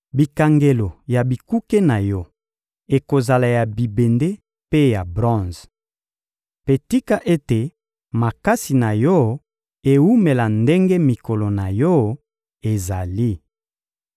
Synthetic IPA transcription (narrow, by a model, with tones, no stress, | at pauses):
bi˨ka˨ŋɡe˨lo˨ja˨bi˨ku˦ke˦na˨jɔ˦ | e˨ko˨za˨la˨ja˨bi˨be˨nde˦ | pe˦ja˨bʁɔ̃˦z | pe˨ti˦ka˦ʔe˦te˨ | ma˨ka˦si˨na˨jɔ˦ | e˨u˦me˨la˨nde˦ŋɡe˦mi˨ko˨lo˨na˨jɔ˦ | e˨za˨li˦